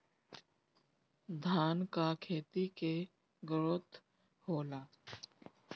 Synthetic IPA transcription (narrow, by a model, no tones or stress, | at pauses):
d̪ʱaːnkakʰeːt̪ike | ɡəɾot̪ | hoːlaː